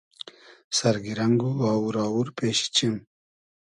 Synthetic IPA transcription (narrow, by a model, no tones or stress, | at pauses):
sɐɾɡiɾaŋɡuawuɾɑːwuɾpeːɕi̥t͡ɕim